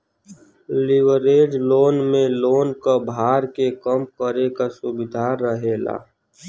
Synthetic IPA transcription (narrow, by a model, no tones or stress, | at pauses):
lɪwəɾeːɖloːnmẽloːnkabʱaːɾkekəmkəɾekasʊbɪd̪ʱaːɾəɦeːla̰ː